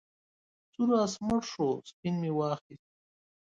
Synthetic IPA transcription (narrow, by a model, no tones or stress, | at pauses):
t͡suɾaːsməɽʂospinmiwaːχis